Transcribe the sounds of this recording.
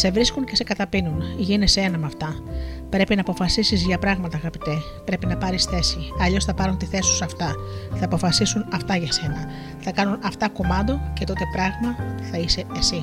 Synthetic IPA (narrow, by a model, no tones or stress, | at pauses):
se̞vɾiskunce̞se̞kɐt̪ɐpinunʝine̞see̞nɐmɐft̪ɐ | pɾe̞pinɐːpo̞fɐsisizʝɐpɾɐɣmɐt̪ɐːɣɐpit̪e | pɾe̞pinɐpɐɾisθe̞siɐʎo̞sθɐpɐɾunt̪iθe̞su̥sɐft̪ɐθɐːpo̞fɐsisunɐft̪ɐʝɐse̞nɐ | θɐkɐnunɐft̪ɐko̞mɐnd̪o̞ce̞t̪o̞t̪e̞pɾɐɣmɐθɐise̞ːsi